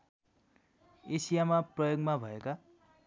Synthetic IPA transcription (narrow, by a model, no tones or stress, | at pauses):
esijamaprʌjoɡmabʱʌeka